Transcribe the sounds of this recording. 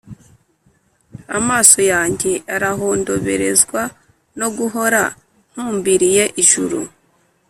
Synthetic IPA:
a̰maːso̞jaːɲɟe̞ʔaɾaɦoːndo̞βe̞̰ɾe̞zɡwa | no̞ɡuɦo̞ɾa̰ | n̥huːmbiɾije̞ʔiʒṵɾṵ

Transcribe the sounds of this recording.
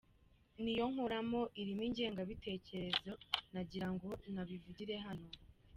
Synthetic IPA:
nijo̞ŋ̥oɾamo̞ʔiɾimiɲɟe̞ːŋɡaβite̞ːce̞ɾe̞zo̞naɟiɾaŋɡo̞naβivuɟiɾe̞ɦano̞

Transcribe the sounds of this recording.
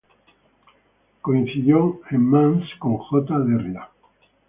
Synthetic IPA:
koin̟θiðjoemmãnskõŋxot̪aðerja

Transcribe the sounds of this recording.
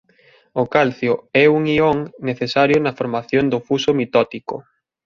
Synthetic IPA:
ʊkalθjʊɛuŋioŋneθesaɾjʊnɐfoɾmaθjond̪ʊfusʊmit̪ɔt̪ikʊ̰

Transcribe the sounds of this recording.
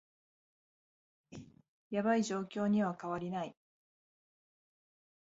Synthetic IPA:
jabaiʑo̞ːkʲo̞ːɲ̟iβakaβaɾʲinai

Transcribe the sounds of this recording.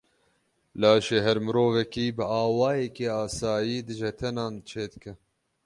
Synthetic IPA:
laːʃeːɦɛɾmɨɾoːvɛkiːbɨaːwɑːjɛkeːaːsaːjiːd̪ɨʒɛt̪ʰɛnɑːnt͡ʃʰeːd̪ɨkɨ

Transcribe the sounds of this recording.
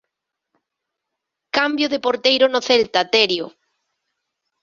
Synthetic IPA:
kambjoðepoɾt̪ejɾʊnoθelt̪at̪eɾjo

